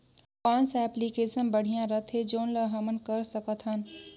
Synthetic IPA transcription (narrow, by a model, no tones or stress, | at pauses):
kɔːnsɛːplikeːsənbəɽ̤ijãɾət̪ʰɦed͡ʒoːnləɦəmənkəɾsəkət̪ʰɦən